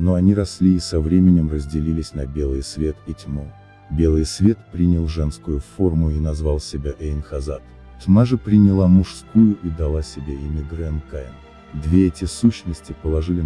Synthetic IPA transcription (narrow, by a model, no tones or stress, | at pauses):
noɐnʲiɾɐsʲlʲiːsɐvɾʲemʲɪnʲɪmrəzʲdʲɪlʲilʲɪsʲnɐbʲe̞lˠɨjsvʲe̞t̪itʲmo | bʲe̞lˠɨjsvʲe̞t̪pɾʲinʲɪlˠʐɛnskʊjʊfo̞rmʊinɐzvalˠsʲɪbʲaʔeɪnxɐzat̪ | tʲmaʐɨpɾʲɪnʲɪlˠamʊʂskujʊʔid̪ɐlˠasʲɪbʲeɪmʲɪɡ̪ɾɛnkajn | d̪vʲe̞ɛtʲɪsuɕnəsʲtʲɪpəlˠɐʐɨlʲɪ